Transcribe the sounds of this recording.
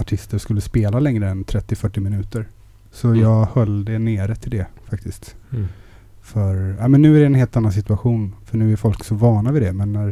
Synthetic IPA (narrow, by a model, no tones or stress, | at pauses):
aʈʰɪst̪əɾskɵlːəspeːlalɛŋɾəɛnt̪ʰɾɛt̪ːɪfœʈːɪmɪnʉ̟ːt̪əɾ | sɔjɑːɡhœld̪ɛneːɾət̪ʰɪld̪ɛfak̚t̪ɪskt̪ | fœɾaːmɛnːʉ̟ːæɾɛɛnheːlt̪anːans̬ɪt̪ɵaɧuːnfœɳʉ̟ːæɾfɔlksɔvɑːɳavɪd̪ɛmɛnːæɾ